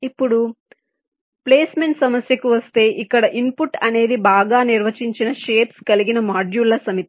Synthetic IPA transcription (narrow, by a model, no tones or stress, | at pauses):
ipːuɽu | ple̞ːsmeɳʈsɐmɐsjɐkuʋɐst̪e̞ːʔikːɐɽɐʔimpuʈːɐne̞ːd̪ibaːɡaːniɾʋɐt͡ʃiɲt͡ʃinɐʃe̞ːpskɐliɡinɐmaːd͡ʒjuːlːɐsɐmit̪i̥